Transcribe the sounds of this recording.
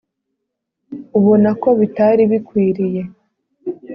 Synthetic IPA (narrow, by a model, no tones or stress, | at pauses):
uβonako̞βitaɾiβikwiːɾije̞